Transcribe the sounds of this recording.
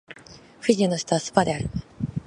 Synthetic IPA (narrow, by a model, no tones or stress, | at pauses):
ɸɯdʲianoɕi̥t̪oβasɨ̥pad̪e̞aɾɯ̟